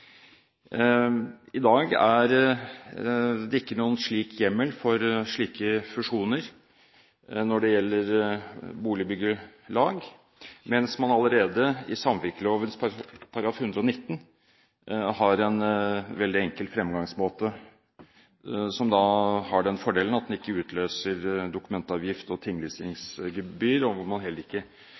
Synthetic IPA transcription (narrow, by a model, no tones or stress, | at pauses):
ɪd̪ɑːɡæɾ | d̪ɛɪkːənuːənʂɭiːkʰjɛmːəlfɔɾʂɭiːkəfʉʂuːnəɾ | nɔɖɛjɛlːəɾbuːlɪbʏɡəlɑːɡ | mɛnsmɑnɑləɾeːd̪əɪsɑmʋɪɾkəloːʋənspʰɑɾɡɑːfhʉnd̪ɾəɔnɪt̪ːn | hɑɾɛnʋɛld̪ɪɛŋkəlt̪fɾɛmɡɑŋsmoːt̪ə | sɔmd̪ɑhɑɖɛnfɔɖeːlənɑt̪̚d̪ɛnɪkːəʉːt̪ʰløːsəɾd̪ʊkʉmɛnt̪ɑːʋjɪft̪ɔt̪ʰɪŋːlɪsɪŋsɡəbyːɾɔʋʊmɑnɦɛlt̪ɪ̥kːə